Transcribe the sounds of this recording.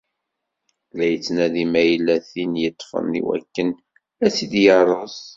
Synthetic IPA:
læjət͡sːnæðimæjəlːæθinjət̪ˤːfə̰nːḭwæ̰kːən | æsid̪jərˤːəs

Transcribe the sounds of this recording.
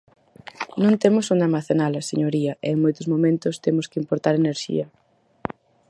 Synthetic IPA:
nõnt̪emʊsõnd̪eamaθenalɐseɲoɾiɐʔeːŋmojt̪ʊzmomẽnt̪ʊst̪emʊskɪimpoɾt̪aɾeneɾʃḭɐ

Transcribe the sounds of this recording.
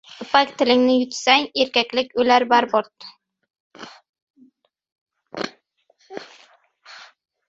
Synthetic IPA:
ʊpakʲt̪ʰɪlɪŋnɪjʊt̪saŋeɾkʲakʲlɪkʲʰɵjlaɾbaɾbɒɾt̪̚

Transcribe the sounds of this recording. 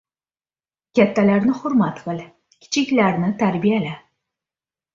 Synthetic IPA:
kʲʰat̪ːalaɾnɪχʊɾmat̪qɨl | kʲʰɪ̥t͡ʃʰɪkʲlaɾnɪt̪ʰaɾbijala

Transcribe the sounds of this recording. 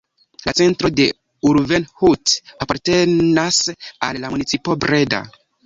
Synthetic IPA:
lat͡se̞ntɾo̞de̞ | uɾvenhutapaɾte̞nasa̰lːamunit͡sipo̞bɾe̞da̰

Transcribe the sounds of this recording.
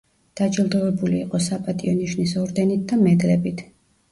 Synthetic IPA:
d̪̥ad͡ʒilˠd̪ɔvɛbuliːqʼɔsapʼat̪ʼiɔniʃnisɔɾd̪ɛnit̪̚d̪amɛd̪lɛbit̪ʰ

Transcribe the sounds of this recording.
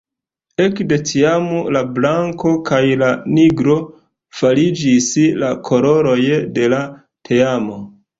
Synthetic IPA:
e̞kde̞tʰiamolablaŋko̞kajlaniɡɾo̞ | falid͡ʒislakʰo̞lo̞ɾo̞jde̞la | tʰeamo̞

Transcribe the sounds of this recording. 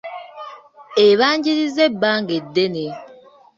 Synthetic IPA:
eβaɲd͡ʒiɾizebaŋɡedene

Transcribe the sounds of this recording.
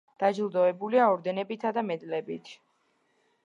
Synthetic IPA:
d̪̥ad͡ʒlˠd̪ɔɛbuliaɔɾd̪ɛnɛbit̪ʰad̪amɛd̪lɛbit̪ʰ

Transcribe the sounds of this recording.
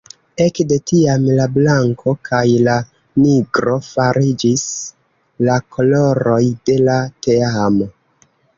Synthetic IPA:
e̞kde̞tiamlablaŋkʰo̞kʰajla | niɡɾo̞faɾid͡ʒis | lakʰo̞lo̞ɾo̞jde̞late̞aamo

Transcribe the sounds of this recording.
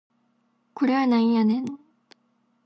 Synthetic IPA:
kuɾenaianen

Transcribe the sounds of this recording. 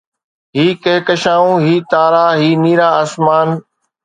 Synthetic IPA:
ɦiːkeːkəʃaːũːɦiːt̪aːɾaːɦiːniːɾaːəsmaːn

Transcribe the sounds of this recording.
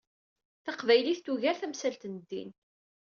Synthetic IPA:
θɑqvæjliθt̪ːuʝæɾθæmsælt̪nəd̪ːḭn

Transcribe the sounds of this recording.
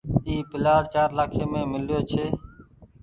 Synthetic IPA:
iːpɪlaːɽt͡ʃaːɾlaːkʰeːmẽːmɪljoːt͡ʃʰeː

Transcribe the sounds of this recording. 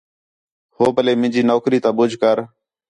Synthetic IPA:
hoːbəleːmɪ̃nd͡ʒiːnoːkɾiːt̪ãːɓʊd͡ʒʱkəɾ

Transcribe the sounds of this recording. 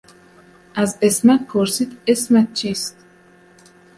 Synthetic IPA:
ʔæzesmæt̪̚kʰoɾsiːd̪esmæt̪̚t͡ʃʰiːst̪

